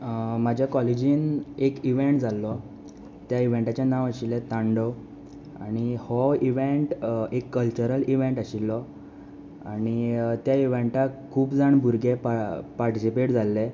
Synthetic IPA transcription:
mad͡ʑʱjakɔled͡ʑiːnekiʋeɳʈd͡zʱalːɔ | t̪jaiʋeɳʈat͡ɕjanaʋaɕilːɛt̪ãɳɖə | a̰ɽ̃ihɔiʋeʈekːəlt͡ɕəɾəliʋeɳʈaɕilːɔ | a̰nit̪jaiʋeɳʈakʰuːpd͡zaɳbʱuɾɡepapaɾʈisipeʈd͡zalːɛ

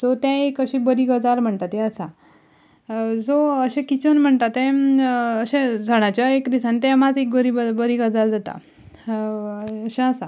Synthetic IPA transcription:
d͡zot̪jãekəɕibəɾiɡəd͡zalm̤əɳt̪at̪ɛ̃əsa | d͡zoəɕẽkit͡ɕənm̤əɳt̪at̪ẽ | əɕẽd͡zʱəɽ̃at͡ɕjaekd̪isãnit̪jamad͡zek̚ɡəɾibəbəɾiɡəd͡zald̪at̪a̰ | əɕɛ̃əsa

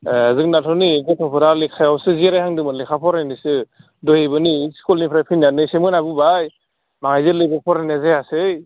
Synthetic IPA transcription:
azɯk̚natʰɔniɡetʰɔpʰɯɾalikʰajawsɯziaɾajhaŋdɯmɯlekʰapʰɔɾajnisɯ | dɔjebɯniskulnipʰɾajpʰinanɯsemɯnabubaj | maŋajzɯlɯjbɯpʰɔɾanazajasɯj

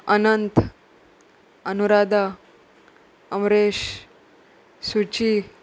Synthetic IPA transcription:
ənənt̪ | ənuɾad̪ʱa | əmɾeɕ | sut͡ɕi

